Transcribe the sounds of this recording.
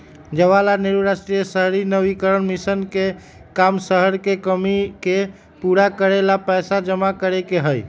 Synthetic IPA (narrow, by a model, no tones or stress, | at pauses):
d͡ʒəʋalaneɾuɾasʈɾijəsəɦɾinəʋikəɾənmisənke | kamsəɦəɾkekəmike | puɾakəɾelapəjsad͡ʒəmakəɾekeɦəj